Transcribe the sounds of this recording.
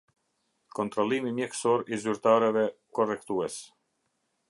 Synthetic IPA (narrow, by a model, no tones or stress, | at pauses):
kɔnt̪ɾɔlˠimimjɛksɔɾizyɾt̪aɾɛvɛkɔrɛkt̪uɛs